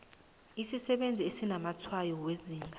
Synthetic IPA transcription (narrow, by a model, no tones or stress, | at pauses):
isisɛɓend͡zʱiesinamat͡sʰwajɔweziːŋɡʱa